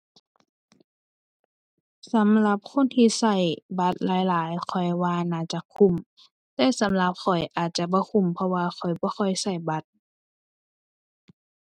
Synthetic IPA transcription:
sa˨˦mla˧˦p̚kʰo˧˥˨nt̪ʰiː˧sa˧˩jba˧˦t̪̚laː˨˦jlaː˨˦jkʰɔ˨˩jwaː˧naː˧˩t͡ɕa˧˦kʰu˧˩˨m | t̪ɛː˧sa˨˦mla˧˦p̚kʰɔ˨˩jʔaː˨˩t̪̚t͡ɕa˧ʔbɔː˧˦kʰu˧˩˨mpʰɔ˧waː˧xʰɔ˨˩jbɔː˧˦xʰɔ˧˩jsa˧˩jba˧˦t̪̚

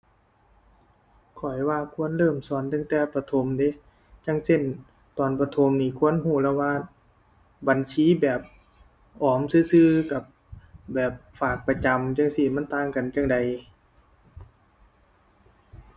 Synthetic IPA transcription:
kʰɔ˨˩jwaː˧kʰu˧˥˨ə˨nlɤː˧˨msɔː˨˦nt̪a˧˥ŋt̪ɛː˧˩pʰa˧t̪ʰo˧˦mde˧˦ | t͡ɕa˧˥ŋse˧˥˨n | t̪ɔː˨˦npa˧t̪ʰo˧˦mniː˧˩kʰu˧˥˨ə˨nɦuː˧˩lɛː˧˨waː˧˩ | ba˨nsiː˧˥˨bɛː˨˩p̚ | ʔɔː˨˩msɯː˧˥˨sɯː˧ka˧˩p̚ | bɛː˨˩p̚faː˨˩k̚pa˧t͡ɕa˨mt͡ɕa˧˥˨ŋsi˧˩ma˧˥˨nt̪aː˧˨ŋka˨nt͡ɕa˧˥ŋda˨j

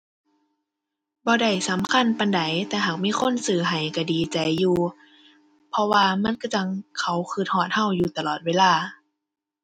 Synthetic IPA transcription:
bɔː˧da˧˩jsa˨˦mkʰa˧˥˨npa˧˨nda˨˦jt̪ɛː˧ɦaː˨˩k̚miː˧˥˨kʰo˧˥˨nsɯː˧˩ɦa˨˩jka˧˩diː˨t͡ɕa˨˩jːuː˧ | pʰɔ˧waː˧ma˧˥˨nka˧˩t͡ɕa˧˨ŋkʰa˨˩wkʰɯː˧˩t̪̚hɔː˧˩t̪̚ha˧˥˨wjuː˧˩t̪a˧˨lɔː˨˩t̪̚weː˧˥˨laː˧˩

